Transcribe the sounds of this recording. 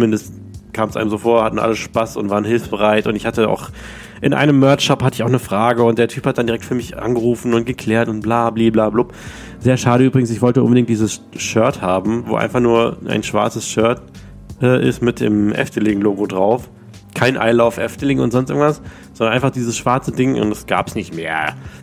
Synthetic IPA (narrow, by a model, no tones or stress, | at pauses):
t͡sʊmɪndəst | kʰaːmsʔaɪnəmzoːfoːɐhatn̩ʔa̰ləʃpasʊ̰ntvaːʁənhɪlfsb̥əʁaɪtʊntɪçhatəa̰ʊx | ʔɪnʔa̰ɪnəmːœɐʃɔphatəɪçaʊχnəfʁ̥aːɡəʊntd̥eːɐtʰyːphat̚d̥andiʁɛktfyːɐmɪçʔa̰nɡəʁuːfn̩ʊnt̚ɡ̥əkʰl̥ɛːɐtʊntb̥laːbliːblaːblʊp | zeːɐʃaːɾəʔyːbʁɪɡŋ̩sɪçv̥ɔltəʔʊ̰nbədɪŋkt̚d̥iːzəs | ʃœɐthaːbm̩vo̰ːʔa̰ɪnfaχnuːɐʔa̰ɪnʃv̥a̰ɐt͡səsʃœɐt | ʔɛːʔɪ̰stmɪt̚d̥ɪ̰ːmʔɛ̰ftəlɪŋloːɡodʁaʊf | kʰaɪnʔa̰ɪlaʊfʔɛftəlɪŋʊntz̥ɔnstɪŋtv̥as | z̥ɔndɐnʔaɪfaχd̥iːzəsʃv̥aɐt͡sədɪŋʔʊ̰ntdɛsɡ̥a̰ːpsnɪçtmḛːɐ